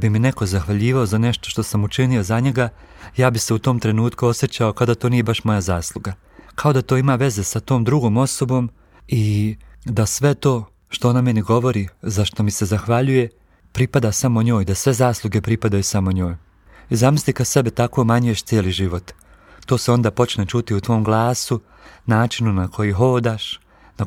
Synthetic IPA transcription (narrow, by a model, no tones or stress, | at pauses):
bimine̞ko̞zaxʋaʎiːʋao̞zane̞ʃt̪oʃt̪o̞samut͡ʃinio̞zaɲe̞ɡa | jaːbise̞ut̪o̞ːmt̪ɾe̞nuːt̪kuo̞sje̞t͡ɕaokad̪at̪o̞ːnijebaʃmo̞jazaːslˠuɡa | kʰao̞d̪at̪o̞ːimaːʋe̞ze̞sat̪o̞ːmd̪ɾuɡo̞ːmo̞so̞bo̞m | id̪asʋe̞t̪o̞ː | ʃt̪o̞oname̞niɡo̞ʋo̞ɾizaʃt̪omise̞zaxʋaʎuje̞ | pɾipad̪asamo̞ɲo̞ːjd̪asʋe̞zaːslˠuɡe̞pɾipad̪ajusamo̞ɲo̞ːj | izamislikase̞bet̪ako̞maɲuje̞ʃt̪sjeːliʒiʋo̞t̪ː | o̞ːseo̞nd̪aːpo̞t͡ʃnet͡ʃut̪iut̪ʋo̞ːmɡlˠaːsu | naːt͡ʃinunakʰo̞jiɦo̞ːd̪aːʃ | na